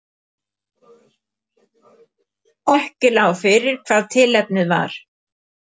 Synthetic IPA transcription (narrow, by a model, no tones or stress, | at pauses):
ɔhcʏlaːwfɪɾɪɾ̥kʰv̥aːðt̪ʰɪlɛp̚nɪðva̰ɾ̥